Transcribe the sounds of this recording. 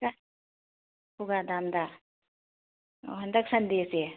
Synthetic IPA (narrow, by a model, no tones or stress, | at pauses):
a | puɡad̪and̪a | ɦɐnd̪aksand̪ese